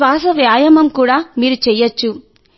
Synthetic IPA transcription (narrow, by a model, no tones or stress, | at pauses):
ʋaːsɐʋjaːjɐmɐmkuːɽaːmiːɾut͡ʃɛjːɐt͡ʃːu